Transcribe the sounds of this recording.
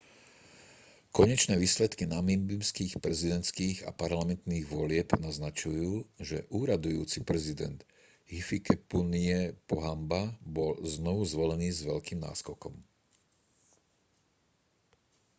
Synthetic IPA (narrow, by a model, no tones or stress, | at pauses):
kɔɲɛt͡ʃnɛːʋiːslɛt̪kinamimbimskiːxpɾɛzid̪ɛnt̪skiːɣa̰paɾlamɛnt̪niːɣʋɔlɪɛbnaznat͡ʃujuːʒɛ̰ʔuːɾad̪ujuːt͡sipɾɛzid̪ɛ̰nd̪ | ɦifikɛpuniɛpɔɦambabɔlznɔʋuzʋɔlɛniːzʋɛʎkiːmna̰ːskɔkɔm